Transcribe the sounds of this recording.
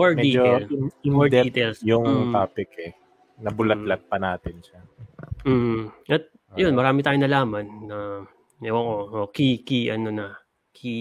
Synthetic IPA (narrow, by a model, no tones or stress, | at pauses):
ɛɹdɛid͡ʒolɪŋɛɹd̪ɛit̪ɛlsjʊŋt̪aːpɪkɛ | nɐbʊlɐt̪̚lɐt̪̚pɐnaːt̪ɪnʃam̩ːʔɐt̪̚ | jonmɐɾaːmɪt̪aːjonɐlaːmɐnːɐ | ɐʔookikiʔɐno̞nɐ | kʰi